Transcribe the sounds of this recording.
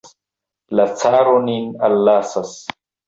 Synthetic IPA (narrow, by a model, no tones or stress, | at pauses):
lat͡saːɾoninalːaːsas